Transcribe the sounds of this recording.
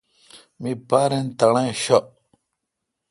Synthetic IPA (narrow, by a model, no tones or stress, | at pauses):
mipaːɾent̪ɐɽ̃ãɕo